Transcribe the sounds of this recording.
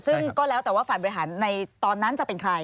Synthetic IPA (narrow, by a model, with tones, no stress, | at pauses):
sɯ˥˩ŋkɔː˥˩lɛː˦˥wt̪ɛː˨˩waː˥˩faː˨˩jbɔ˧i˦˥ɦaː˩˦nːa˧jt̪ɔː˧nːa˦˥nt͡ɕa˨˩pe˧nkʰɾa˧j